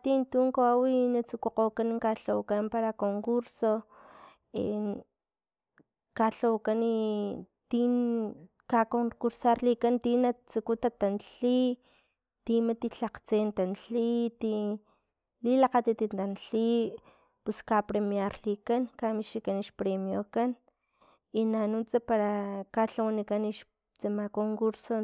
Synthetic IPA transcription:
t̪int̪uːŋkaawinat͡sukoqokaniŋkaɬowkampaɾakoŋkuɾso | ḛ | kaɬowkanit̪i | kakoŋkuɾsaɾlikant̪inat͡sukut̪at̪anɬi | t̪imat̪iɬaqt͡sent̪anɬit̪i | lilaqat̪it̪int̪anɬi | puskapɾemjaɾlikankamiʃikaniʃpɾemjokan | inanut͡sapaɾakaɬawanikaniʃ | t͡samakoŋkuɾso

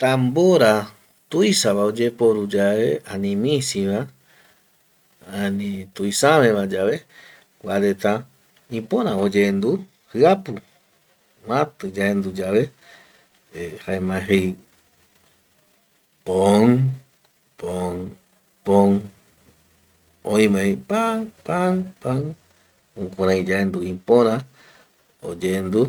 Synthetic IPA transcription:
t̪amboɾa | t̪ujsaβaod͡ʒepoɾud͡ʒaβeanĩmĩsiβa | anĩt̪ujsaβẽβad͡ʒaβe | kʷaɾet̪a | ĩpõɾãod͡ʒend̪u | hɨapu | mãt̪ɨd͡ʒaend̪ud͡ʒaβe | haemãɦej | poŋ | pon | põn | õĩmẽj̃paŋpanpãŋ | ũkʷãɾãĩd͡ʒaend̪uĩpõɾ̃ã | o̰d͡ʒend̪u

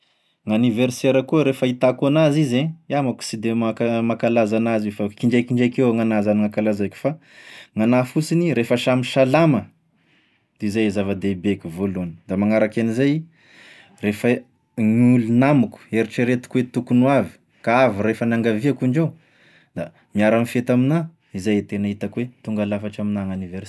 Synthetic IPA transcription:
ŋaniverseɾakuəɾefəit̪akuanazizeiamaku̥sid̪emakamakalazanazifakiɳɖ͡ʐejkiɳɖ͡ʐejkewŋanazaniŋakalazajkʲu̥fa | ŋanafusiniɾefəʃamiʃalamə | d̪̥izajzavad̪ebekʲuvolonə̥d̪amaŋaɾakanizaj | refə | ɲulunamuku̥eɾiʈ͡ʂiɾet̪u̥kwet̪ukunuavi̥ | kaaviɾefənaŋɡaviakuɳɖ͡ʐaw | d̪a | miaɾanifet̪amina | izajet̪enaɦit̪akuwet̪uŋɡalafaʈ͡ʂaminaŋaniveɾ

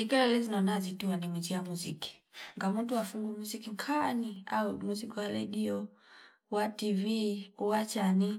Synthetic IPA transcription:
ikɛlɛlizinɔnazituwanimid͡ʒiamuzḭki̥ŋɡamuntuwafuŋɡumuzikiŋkʰania̰umuzikiwaɾɛɗiɔ | wativiuwat͡ʃani

